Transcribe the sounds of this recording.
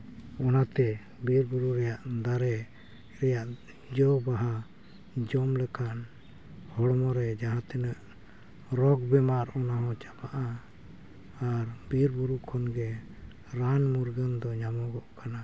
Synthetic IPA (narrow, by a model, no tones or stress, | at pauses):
ɔnat̪ɛ | biɾbuɾuɾɛjaʔd̪aɾɛ | ɾɛjaʔ | d͡ʒɔbaɦa | d͡ʒɔmlɛkʰan | hɔɽɔmɔɾɛd͡ʒaɦãt̪ɛnəʔ | ɾɔɡ̚bɛmaɾɔnaɦɔ̃t͡ʃḁpaʔa | ɾbiɾbuɾukʰɔnɡɛ | ɾanmuɾɡənd̪ɔɲamɔɡɔʔkana